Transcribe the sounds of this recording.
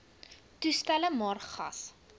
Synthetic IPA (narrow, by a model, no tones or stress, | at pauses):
tustæləmɑːrχɐ̰s